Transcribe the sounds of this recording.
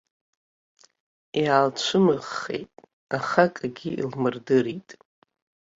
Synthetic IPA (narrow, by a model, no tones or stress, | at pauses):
jaːlt͡ɕʷʰɨmɨʁːḛjtʼ | aχakʼaɡʲiḭlmɨrdɨritʼ